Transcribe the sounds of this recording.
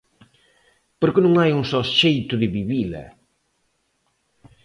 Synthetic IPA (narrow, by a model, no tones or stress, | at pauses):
poɾkɪnũŋajuŋsɔsʃejt̪ʊðɪβiβilɐ̰